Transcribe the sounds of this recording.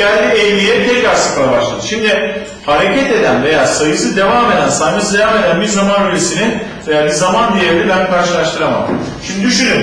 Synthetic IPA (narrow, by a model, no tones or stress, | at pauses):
ælʲd̪iɛvnijɛt̪ʰɛcɾaɾsɯ̥kaaba̰ʃlˠad̪ɯʃimd̪ɪ | haɾe̞cɛt̪e̞d̪ænve̞jaːsajɯsɯd̪e̞vaːme̞d̪ænsajmɯsɯd̪e̞vame̞d̪ænbiɾzamanyɾesinive̞jaːbizamand̪ijeɾlʲɛbænkʰaɾʃɯlˠaʃt̪ʰɯɾama̰m | ʃimd̪id̪yʃynyn